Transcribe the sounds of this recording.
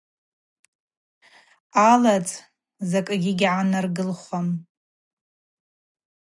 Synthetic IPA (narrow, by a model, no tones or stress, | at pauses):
alat͡sʼ | zakʼɡʲiɡʲʕanarɡɨlχʷam